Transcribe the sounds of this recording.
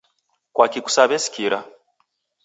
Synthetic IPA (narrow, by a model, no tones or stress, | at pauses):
kwakiku̥saβesi̥kiɾa